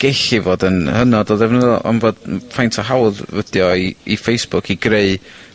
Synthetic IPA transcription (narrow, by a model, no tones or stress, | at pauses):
ɡ̥ɛɬivoːdənhənɔdɔðɛvnəðʔɔ̰nvoːd̥fajntʰɔɦawðvəd̥jɔiifejsb̥ʊkʰiɡreɨ